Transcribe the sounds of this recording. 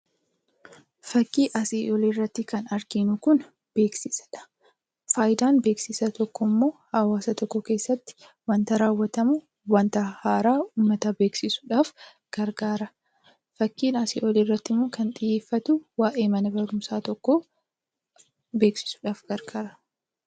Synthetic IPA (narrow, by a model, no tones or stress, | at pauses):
fɐkːiːʔɐsiːʔɔlerːɐt̪ːɪkɐnɐɾkinʊkʊn | b̥e̞ːksɪsɐ̥ᶑɐ̥ | faːjd̪aːnbe̞ːksɪsɐt̪ɔkːɔmːo̞ːhɐwaːsɐt̪ɔkːɔke̞ːsːɐt̪ːɪ̥ | wɐnt̪ɐɾaːwːɐt̪ɐmʊ | wɐnt̪ɐhaːɾaːuːmːɐt̪ɐbe̞ːksɪsʊᶑaːf | ɡ̥ɐɾɡaːɾɐ | fɐkːiːnɐsḭːʔɔleːrːɐt̪ːɪmːoːkɐnt̪ʼɪjeːfːɐt̪ʊwaːʔe̞ːmɐnɐbɐɾʊmsaːt̪ɔkːo | be̞ːksɪ̥sʊ̥ᶑaːfɡɐɾɡaːɾɐ